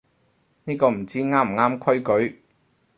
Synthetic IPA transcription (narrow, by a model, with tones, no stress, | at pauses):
niː˥kɔː˧m̩˨˩t͡siː˥ŋaː˥m̩˨˩ŋaː˥mkʰɵ˥ɥkɵ˨˥ɥ